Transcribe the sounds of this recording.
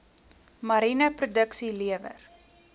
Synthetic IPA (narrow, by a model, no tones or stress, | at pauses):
mɐɾinəprudəksiliəvə̰r